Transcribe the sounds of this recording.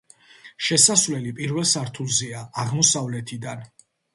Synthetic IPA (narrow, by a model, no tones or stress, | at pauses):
ʃɛsasvlɛlipʼiɾvɛlˠsaɾt̪ʰulˠzɛaːʁmɔsavlɛt̪ʰid̪an